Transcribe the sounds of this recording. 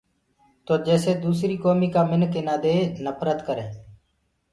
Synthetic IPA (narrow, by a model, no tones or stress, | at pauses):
t̪oːd͡ʒɛːseːd̪uːsɾiːkoːmiːkaːmɪnkeːnaːd̪eːnəpʰɾət̪kəɾẽː